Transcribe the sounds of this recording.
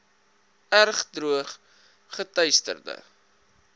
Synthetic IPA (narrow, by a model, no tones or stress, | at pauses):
ærχdruəχ | χətœɥstə̰rdə̰